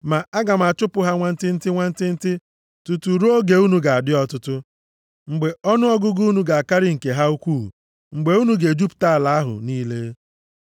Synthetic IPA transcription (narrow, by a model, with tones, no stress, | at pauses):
ma˨a˦ɡa˨m̩˨a˨t͡ʃʊ˦pʊ˦ɦa˦ŋʷa˦n̩˦tɪ˦n̩˦tɪ˦ŋʷa˦n̩˦tɪ˦n̩˦tɪ˦ | tu˨tu˨ɾu˦o˦ɡe˨u˦nu˦ɡa˨a˨dɪ˦ɔ˦tʊ˦tʊ˦ | ŋ͡m̩˨ɡ͡be˨ɔ˦nʊ˦ɔ˦ɡʊ˦ɡu˦nu˦ɡa˨a˨ka˦ɾɪ˦ŋ̩˨ke˨ɦa˦u˦kʷṵː˦˨ | ŋ͡m̩˨ɡ͡be˨u˦nu˦ɡe˨d͡ʒu˦pta˦a˨la˨a˦ɦʊ̰˨niː˦le˦